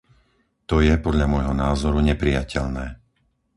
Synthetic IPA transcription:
t̪ɔjɛpɔd̪lʎamɔjɦɔnaːzɔɾuɲɛpɾijacɛʎnɛː

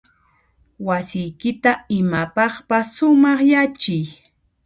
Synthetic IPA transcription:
wasɪjkɪt̪aɪmapɑχpasːʊmɑχjat͡ʃɪj

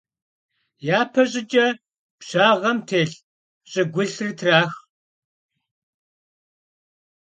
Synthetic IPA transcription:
jaːpʰɐɕʼɪd͡ʒʼɐ | pɕaːʁɐmtʰeːɬ | ɕʼɪɡʷʊɬrɨtʰraːx

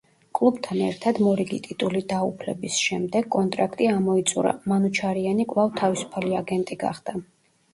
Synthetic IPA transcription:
kʼlˠubt̪ʰanɛ̰ɾt̪ʰad̪mɔɾiɡit̪ʼit̪ʼulid̪aupʰlɛ̰bisʃɛmd̪ɛɡkʼɔnt̪ʼɾakʼt̪ʼiamɔit̪sʼuɾa̰manut͡ʃʰaɾianikʼvlˠavt̪ʰavisu̥pʰaliaɡɛnt̪ʼiɡa̰χd̪̥a

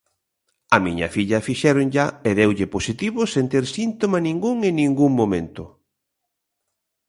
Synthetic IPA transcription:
ɐmiɲɐ̰fiʎɐfiʃɛɾoŋʎaeðewʎɪposit̪iβʊsent̪eɾsint̪omanĩŋɡuŋennĩŋɡuŋmomẽnt̪ʊ

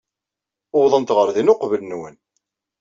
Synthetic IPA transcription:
oðˤənt̪ʁəɾðinʊqvəlnwən

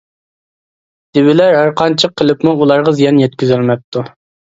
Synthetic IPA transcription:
d̪̥ɪwɪlæɾɦæɾqʰɑnt͡ʃʰəqʰːəlˠɨpmuulˠɑɾʁɑzijɑnjɛt̪̚kʲyzɪlmɛp̚t̪ʰːu

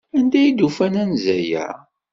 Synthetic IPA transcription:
ænd̪æjid̪ufænænzæjæ̰

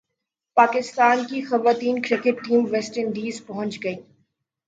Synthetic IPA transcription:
paːkɪst̪aːnkixɐʋaːt̪iːnkɾɪkɪʈːĩːmʋɛsʈənɖiːzpɐɦʊ̃nt͡ʃɡɐiː

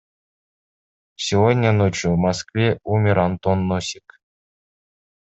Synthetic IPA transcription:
sʲivodʲnʲənot͡ɕuvmɑskvʲeumʲɪɾɑnt̪onːosʲi̥k

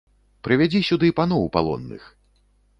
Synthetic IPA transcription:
pɾɨvʲad͡zʲisʲud̪ɨpanɔwpa̰lˠɔ̰nːɨ̰x

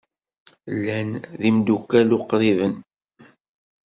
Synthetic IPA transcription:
lːænðimd̪ukːælʊqːɾivən

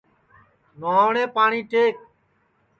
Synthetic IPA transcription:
noːaːɳẽːpaːɳiːʈeːk̚

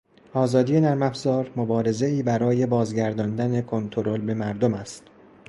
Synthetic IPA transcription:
ʔɒːzɒːd̪ije̞næɾmæfz̥ɒːɾmo̞bɒːɾe̞ze̞iːbæɾɒːje̞bɒːzɟæɾd̪ɒːnd̪æne̞kʰo̞nt̪ʰo̞ɾo̞lbe̞mæɾd̪omæst̪

